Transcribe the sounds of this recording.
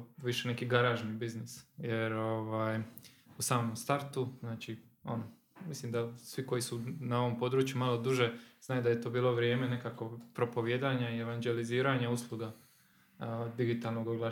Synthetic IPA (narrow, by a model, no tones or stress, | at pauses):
ʋiʃene̞kiɡaɾaːʒnibiznisje̞ɾo̞ʋaːjusaːmomst̪aɾt̪uznaːt͡ʃi | o̞̰no | mislimd̪asʋiko̞jisunao̞ʋo̞mpo̞ːd̪ɾuːt͡ʃjumalo̞d̪uʒe̞znaːjud̪ajet̪o̞ːbiːlˠo̞ʋɾje̞ːme̞nekako̞pɾo̞po̞ʋjed̪aːɲaie̞ʋanɡe̞liziːɾaɲauslˠuɡa | d̪iɡit̪aːlˠnoɡoɡlˠa